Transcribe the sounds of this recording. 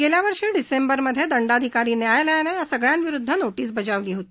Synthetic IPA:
ɡeljaʋəɾʂiːɖisembəɾməd̪ʱjed̪əɳɖad̪ʱikaɾiːnjajləjanejasəɡɭjãnʋiɾud̪ʱːənoʈiːs̬bəd͡ʑaʋliːɦot̪iː

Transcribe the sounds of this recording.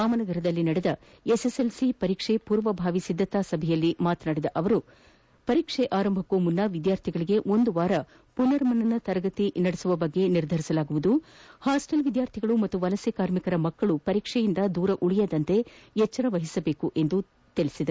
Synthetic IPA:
aːmɐnɐɡɐɾɐd̪ɐlːinɐɽed̪ɐ | eseselsipɐɾiːkʂepuːɾʋɐbʱaːʋisid̪ʱːɐt̪aːsɐbʱɛjɐlːimaːt̪naːɽid̪ɐʔɐʋɐɾu | pɐɾiːkʂɛʔaːɾɐmbʱɐkːumunːɐʋid̪jaːɾt̪ʰiɡɐɭiɡe̞ʔo̞nd̪uʋaːɾɐ | punɐɾmɐnɐnːɐt̪ɐɾɡɐt̪inɐɽesuʋɐbɐɡːe̞niɾd̪ʱɐɾisɐlaːɡuʋud̪uhaːsʈɐlʋid̪jaːɾt̪ʰiɡɐɭumɐt̪ːuʋɐlɐsekaːɾmikɐɾɐmɐkːɐɭupɐɾiːkʂɛjind̪ɐd̪uːɾɐʔuɭijɐd̪ɐnt̪e̞jɛt͡ʃːɐɾɐʋɐɦisɐbe̞ːkuʔe̞nd̪u | t̪iɭisid̪ɐɾu

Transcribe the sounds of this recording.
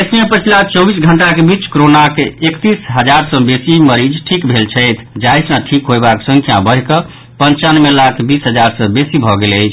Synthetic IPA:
əsmepət͡ʃʰilat͡ʃɔbisɡʱəɳʈakebit͡ʃkoɾonakekt̪isɦəd͡ʒaɾsə̃besiməɾid͡ʒʈʰikbʱelt͡ʃʰəɪt̪ʰd͡ʒaesãʈʰikɦojbaksə̃ŋkʰijãbəɦkə | pənt͡ʃanmelakʰbisɦəd͡ʒaɾsə̃besibʱɔɡeləɪt͡ʃʰ

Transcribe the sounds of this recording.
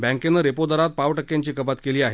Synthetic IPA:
bɛ̃ŋkenːəɾepod̪əɾat̪̚paʋʈəkːjaɲt͡ɕiːkəpat̪keliːaɦe

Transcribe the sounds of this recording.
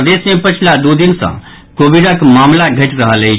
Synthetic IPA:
d̪esmepət͡ʃʰlad̪ud̪insə̰̃ | kobiɽəkmamlaɡʱəʈɾəɦələjʰ

